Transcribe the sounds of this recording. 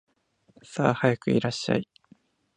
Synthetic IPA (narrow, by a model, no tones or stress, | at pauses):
saːhajakɯ̟iɾaɕːa̰i